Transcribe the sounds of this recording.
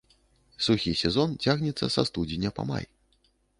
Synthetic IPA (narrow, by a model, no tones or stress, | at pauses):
suxʲisʲɛzɔnt͡sʲaɣnʲɛt̪sːɐsast̪ud͡zʲinʲɐpɐ̰ma̰j